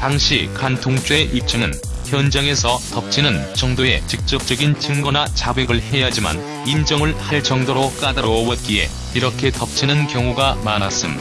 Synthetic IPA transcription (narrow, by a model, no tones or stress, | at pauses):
taŋɕʰikantʰoŋt͡ɕ͈oe̞ʔip̚t͡ɕ͈ʰɯŋɯn | çjʌnd͡ʑaŋe̞sʰʌtʌp̚t͡ɕʰinɯnt͡ɕʌŋdoe̞̰t͡ɕik̚t͡ɕ͈ʌp̚t͡ɕ͈ʌɡint͡ɕʰɯŋɡʌnat͡ɕaɡwe̞ɡɯɭhe̞jad͡ʑima̰n | ind͡ʑʌŋɯɭhaɭt͡ɕʌŋdoɾok͈adaɾowʌt̚k͈ie̞̰ | iɾʌkʰe̞tʌp̚t͡ɕʰinɯnkjʌŋuɡamanas͈ɯm